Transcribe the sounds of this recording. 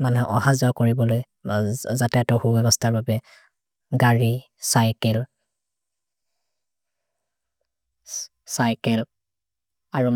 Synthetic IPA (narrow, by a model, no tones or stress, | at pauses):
manɛɦɛʔɔhazɔakoɹibɔloj | zatɛtɔhubɛbɔstʰaɹbabɛ | ɡaɹi | sajkɛl | sajkɛl | aɹum